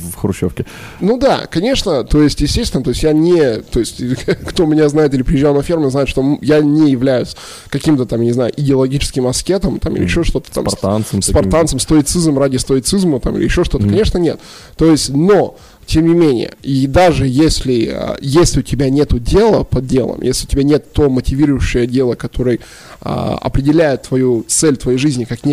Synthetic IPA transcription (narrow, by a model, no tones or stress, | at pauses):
xɾʊɕːofkʲɪ | nud̪a̰kɐnʲe̞ʂnət̪o̞ɪsʲtʲjɪsʲtʲest̪ʲɪnət̪oɪsʲtʲjanʲɪt̪o̞ɪsʲtʲkt̪omʲɪnʲaznajɪt̪ɪlʲɪpɾʲɪjɪʑːalˠnɐfʲermʊznajɪt̪ʂt̪o̞mjanʲɪjɪvlʲæjʊsʲ | kɐkʲimt̪ət̪amjnʲɪznajʊ̰ʔɪdʲɪɐlˠɐɡʲit͡ɕɪ̥skʲɪmɐskʲet̪əmt̪amḭlʲɪ̰ɪ̰ɕːo̞ʂt̪o̞t̪ə̥t̪a̰mt̪ansəmspɐant̪səmst̪oɪt̪sɨzm̩radʲɪst̪oɪt̪sɨzmət̪amḭlʲɪ̰ɪɕːo̞ʂt̪o̞təkɐnʲe̞ʂnənʲe̞t̪ | t̪ːo̞jɪsʲtʲno̞ | tʲe̞mnʲɪmʲenʲɪ̰jə̰id̪aʐɨjesʲlʲɪə̰jesʲlʲɪʊtʲɪbʲanʲe̞t̪ʊdʲe̞lˠəpɐd̪dʲe̞̰lˠə̰mjḛsʲlʲɪʊtʲɪbʲanʲe̞t̪ːo̞mətʲɪvʲiɾʊjʊɕːɪjədʲe̞lˠəkɐt̪o̞ɾɨj | a̰ɐ̰pɾʲɪdʲɪlʲæjɪt̪ːvɐjut̪sɛlʲt̪vɐjejʐɨzʲnʲɪkaknʲ